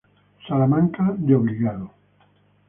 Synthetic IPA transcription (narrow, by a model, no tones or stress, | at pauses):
salamãŋkad̪eoβliɣaðo